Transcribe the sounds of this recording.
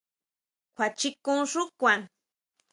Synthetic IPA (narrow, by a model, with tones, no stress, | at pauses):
kʰʷa˨t͡ʃikʊ˦ŋʂʊ˦kʷa˨ŋ